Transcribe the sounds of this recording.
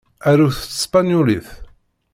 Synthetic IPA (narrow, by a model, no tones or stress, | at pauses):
æɾuθə̥t͡sːspænjuliθ